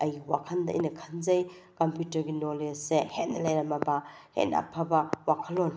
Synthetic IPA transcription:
ɐjwakʰɐndɐʔɐ̰jnɐkʰɐnzɐj | kɐmpjutɐɾɡinolessehet̚nːɐlɐjɾɐmɐbɐhḛna̰pʰːɐbɐwakʰɐlon

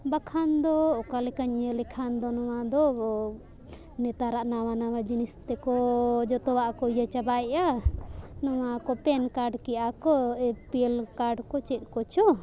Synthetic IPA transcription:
bakʰand̪ɔːkalɛkaɲəlɛkʰand̪ɔnɔwad̪ɔ | nɛt̪aɾaʔnawanawad͡ʒinist̪ɛkɔd͡ʒɔt̪ɔwaʔkɔijat͡ʃabaɛʔa | nɔwakɔpɛnkaɾɖkɛjakɔɛpielkaɾɖkɔt͡ʃɛt̪̚ˀkɔt͡ʃɔ

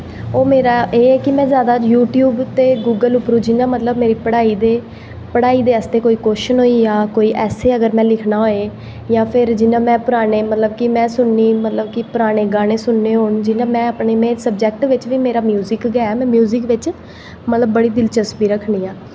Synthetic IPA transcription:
oːmeːɾaːʔeːɛːkɪmɛ̃ːzjaːd̪aːjuːʈjuːbt̪eːɡuːɡəlʊpɾũːd͡ʒɪnãːmət̪ləbmeːɾiːpəɽaːiːd̪eː | pəɽaːiːd̪eːəst̪eːkoːiːkoːʃənɦoːiːjãːkoːiːʔɛːseːəɡəɾmɛ̃ːlɪkʰnaːɦoːeː | jãːpʰɪɾd͡ʒɪnãːmɛ̃ːpʊɾaːneːmət̪ləb̚kɪmɛ̃ːsʊnːiːmət̪ləbkɪpʊɾaːɽ̃eːɡaːɽeːsʊnːeːɦoːɳd͡ʒɪnãːmɛ̃ːəpɳeːmɛ̃ːsəb̚d͡ʒɛːk̚ʈʋɪt͡ʃʋiːmeːɾaːmjuːzɪkɡɛɛːmɛ̃ːmjuːzɪkʋɪt͡ʃ | mət̪ləbːəɽiːd̪ɪlt͡ʃəspiːɾəkʰniːaː

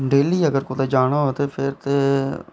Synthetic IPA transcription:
ɖeːliːəɡəɾkot̪eːd͡ʒaːɽ̃aɦoːt̪eːpʰɪɾt̪eː

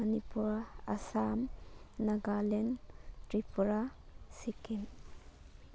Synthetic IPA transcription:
ɐnipuɾa̰samnaɡalentɾipʰuɾasikin

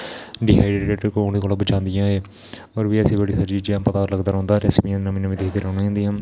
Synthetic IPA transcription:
ɖɪːɦaːiɖeːeʈkoneːkoːlãːbəd͡ʒãːnd̪ɪjãːeː | oːɾʋiːəsẽːbəɽiːsəd͡ʒiːd͡ʒãːpət̪aːɾləɡd̪aːɾɦõːnd̪aːɾɛːsmĩãːnəmĩːnəmĩd̪ekʰd̪eːɾəːnaːãːd̪ijãː

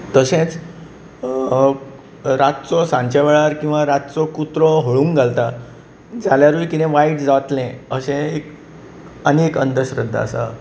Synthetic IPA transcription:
t̪əɕẽt͡s | ɾat̪̚t͡sɔsãɲt͡ɕaʋeɭaɾkĩw̃ʋaɾat̪̚t͡sɔkut̪ɾɔɦoɭũːŋɡalt̪a | d͡zaljaɾujkinẽʋajiʈd͡zat̪lẽəsẽek | ənekə̰nd̪əɕɾəd̪ʱːa̰a̰sa̰

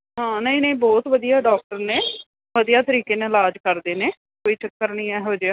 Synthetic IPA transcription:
ɦãːnəĩːnə̃ĩːbɔːt̪ʋəd̪ijaːɖɔːk̚ʈəɾneː | ʋəd̪ijaːt̪əɾiːkeːnẽɪlaːd͡ʒkəɾd̪eːneː | koːiːt͡ʃəkːəɾniːɛːɦoːd͡ʒeaː

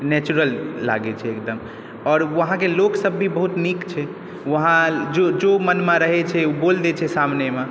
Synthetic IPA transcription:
nɛt͡ʃuɾəlːa̰ɡɛt͡ʃʰɛːkd̪əm | ɔːɾʋəɦãkeloksəbːʱibəɦut̪nikt͡ʃʰɛ | ʋəɦãd͡ʒod͡ʒomənmeɾəɦɛt͡ʃʰɛubold̪et͡ʃʰɛsamneme

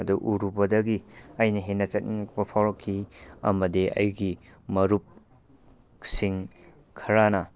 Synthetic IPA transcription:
duʔuɾubɐdɐɡiɐjnɐɦenɐt͡ʃɐt̚niŋɐk̚bɐpʰawɾɐkʰːiɐ̰mɐdiʔɐ̰jɡimɐɾup̚ | siŋ | kʰɐɾanɐ

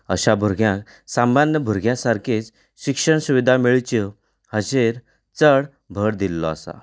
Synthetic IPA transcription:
əɕabʱuɾɡʱjãk | samanjəbʱuɾɡʱjãsaɾkʰet͡s | ɕikʂəɳsuʋid̪ʱamiɭt͡ɕi | həɕeɾ | t͡səɽ | bʱəɽd̪ilːɔəsa̰

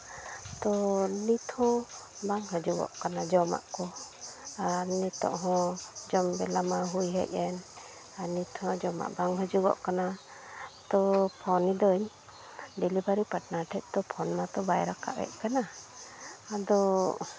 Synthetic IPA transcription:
t̪ɔnit̪hɔ̃ | baŋɦɔd͡ʒuɡɔ̰ʔkanad͡ʒɔma̰ʔkɔ | aɾnit̪ɔ̰ʔɦɔ̃d͡ʒɔmbɛlamaɦujɦɛ̰ʔɛn | aɾnit̪ʰhɔ̃d͡ʒɔma̰ʔbaŋɦɔd͡ʒuɡɔ̰ʔkana | t̪ɔpʰɔnid̪əɲ | ɖɛlibaɾipaʈnaʈʰɛt̪̚ˀt̪ɔpʰɔnmat̪ɔbajɾakʰa̰ʔwɛ̰ʔ̚ˀkanaː | d̪ɔ

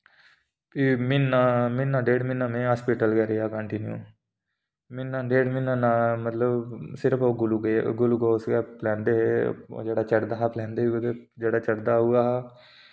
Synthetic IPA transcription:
pimɪnaːmɪnːãːɖeːɽmɪnːãːmẽːɦaːspiːʈəlɡɛːɾeːaːkəɳʈɪnjṵː | mɪnːãːɖeːɖmɪnːãːnãːmət̪ləbsɪɾəpʰoːɡʊluɡɡʊluɡoːsɡɛːplɛ̃ːnd̪ḛːd͡ʒeːɽaːt͡ʃəɽd̪aːɦplɛ̃ːnd̪eːɦuet̪ed͡ʒeːɽaːt͡ʃəɽd̪aːɦʊaːɦɛː

